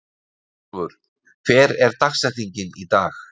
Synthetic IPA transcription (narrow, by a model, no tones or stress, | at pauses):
vʏɾ̥ | kʰvɛːɾɛɾ̥t̪axsaθiɲcɪnit̪aːx